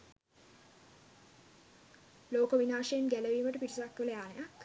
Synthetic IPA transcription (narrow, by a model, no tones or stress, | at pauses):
loːkəʋinaːʂəjenɡæləʋiːməʈəpiʈʰisakːələjaːnejak